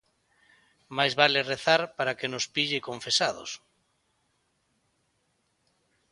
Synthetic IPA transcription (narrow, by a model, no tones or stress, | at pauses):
majzβalereθaɾpaɾakenʊspiʎekoɱfesaðo̰s